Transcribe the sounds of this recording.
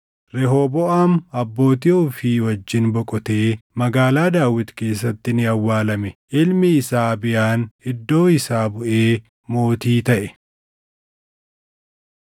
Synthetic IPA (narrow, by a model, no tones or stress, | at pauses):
ɾɛɦoːbɔʔaːmɐbːo̞ːt̪iʊfiːwɐd͡ʒːɪnbɔkʼɔt̪eːmɐɡaːlaːd̪aːwɪt̪ke̞ːsːɐt̪ːɪnɪɐwːaːlɐmɛʔɪlmɪɪsaːbɪjaːnɪd̪ːo̞ːɪsaːbʊʔeː | mo̞ːt̪iːt̪ɐʔɛ